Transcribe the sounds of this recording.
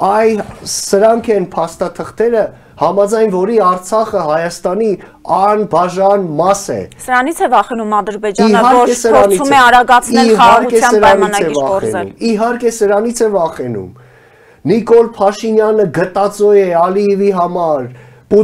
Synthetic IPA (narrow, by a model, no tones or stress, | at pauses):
ɑjsəɾɑŋkʰɛnpʰɑst̪ɑt̪ʰəχt̪ʰɛɾə | hɑmɑd͡zɑjnvɔɾiɑɾt͡sʰɑχəɦɑjɑst̪ɑni | ɑnbɑʒɑnmɑsɛ̰səɾɑnit͡sʰɛvɑχɛnumɑd̪əɾbɛd͡ʒiəɦɑɔɾɛsəɔniumɛɑɾɑɡɑt͡sʰɛɦɑɑɾukɛsɑəɾɑnɑnɑɛivɑɔɾɛ̰nṵmiɦɑɾkɛsəɾɑnit͡sʰɛvɑχɛnṵm | nikɔlpʰɑʃinjɑnəɡət̪ɑt͡sɔjɛɑliɛviɦɑmɑɾ | pu